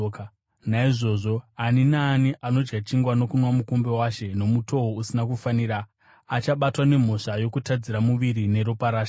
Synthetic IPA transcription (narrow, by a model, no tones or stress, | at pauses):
k | naiʐo̞ːʐo̞aninaːniʔano̞d͡ʒɡat͡ʃiŋɡwano̞kunwamukumbe̞waʃe̞no̞muto̞ɦousinakufaniːɾaː | t͡ʃaɓatwane̞m̤o̞ʂajo̞kutad͡ziɾamuʋiɾine̞ɾopaɾaːʃa